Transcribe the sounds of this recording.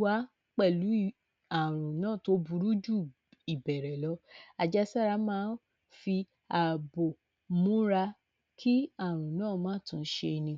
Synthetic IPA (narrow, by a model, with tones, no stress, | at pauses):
wa˨˦ | k͡pɛ˦˨lu˨˦˨ | a˨ɾ̃ũ˨nãː˦˨to˧˦bu˧ɾu˦d͡ʒu˦ | i˨bɛ˨ɾɛ˨lɔ˨˦a˨d͡ʒa˧sa˦˨ɾa˧mãː˦ | fi˧ | a˨bo˨ | mũ˨˦ɾa˧ | kʰi˦a˦˨ɾ̃ũ˨nãː˦˨mãː˦˨tũ˧˨˦ʃe˧nĩ˧